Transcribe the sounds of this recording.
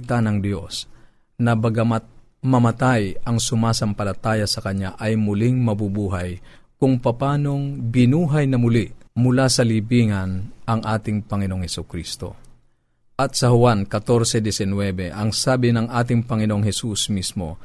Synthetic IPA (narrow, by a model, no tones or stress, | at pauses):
t̪anɐŋd̪jos | nɐbɐɡa | mɐmɐt̪ajɐŋsʊmaːsɐmpɐlɐt̪aːjɐsɐkɐɲaʔɐjmʊlɪŋmɐbubuːɦajkʊŋpɐpaːno̞ŋbɪnuːɦɐjnɐmʊliʔmʊlasɐlibiːŋɐnʔɐŋʔaːt̪ɪŋpɐŋɪnooŋhɛsʊkɾist̪o̞̰ | ʔɐt̪sɐhʊwankɐt̪oɾsɛd̪ɛsɪnwɛːbɛʔɐŋsaːbɪnɐŋʔaːt̪̬ɪŋpɐŋɪnoʔoŋɦɛsusmismo̞̰